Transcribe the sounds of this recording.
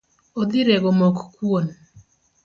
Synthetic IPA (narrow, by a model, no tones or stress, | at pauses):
od̪ɪɾeɡomokkwon